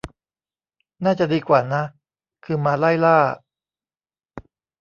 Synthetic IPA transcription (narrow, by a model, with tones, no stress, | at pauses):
naː˥˩t͡ɕa˨˩ʔdiː˧kwaː˨˩na˦˥ | kʰɯː˧maː˧la˥˩jlaː˥˩